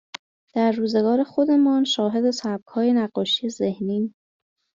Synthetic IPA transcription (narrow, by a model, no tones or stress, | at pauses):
d̪̥æɾːuːze̞ɡɒːɾe̞xo̞d̪e̞mɒːnʃɒːɦe̞d̪e̞sæb̚ɡhɒːje̞næɢːɒːʃijezehniː